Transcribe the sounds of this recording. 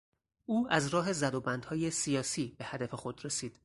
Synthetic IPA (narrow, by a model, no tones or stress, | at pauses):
ʔuːæzɾɒːɦe̞zæd̪obænd̪hɒːjesijɒːsiːbe̞hæd̪æfe̞xo̞d̪ɾe̞siːd̪̥